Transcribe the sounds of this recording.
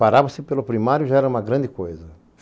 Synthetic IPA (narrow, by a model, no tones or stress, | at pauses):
aɾavosepelʊpɾimaɾjʊʒaɛɾɐũmɐɡɾɐ̃nd̪ɪkojzɐ